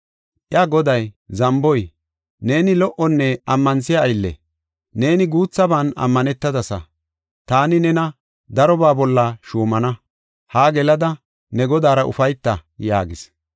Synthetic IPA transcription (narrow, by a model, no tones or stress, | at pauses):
ʔɪɐɡɔd̪ɐjzɐmbɔj | ne̞ːnɪlɔʔɔnːɛɐmːɐnsɪjɐːjlːɛ̰ | ne̞ːnɪɡuːt͡sːɐbaːnɐ̰mːɐnɛt̪ːɐd̪ɐsɐ | t̪aːnɪnɛnɐ | d̪ɐɾɔbaːbɔlːɐʃuːmɐnɐ | haːɡɛlɐd̪ɐ | nɛɡɔd̪aːɾɐʔʊ̰fɐjt̪ːɐja̰ːɡɪs